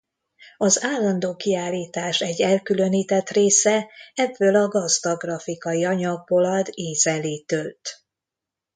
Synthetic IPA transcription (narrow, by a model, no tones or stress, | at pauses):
ɒzaːlːɒnd̪oːkiaːlːiːt̪aːʃɛɟːɛlkylø̞niːt̪ɛt̪reːsɛɛbːøːlɒɡɒzd̪ɒɡrɒfikɒjiɒɲɒɡ̚bo̞lɒd̪eːzɛleːt̪ølt̪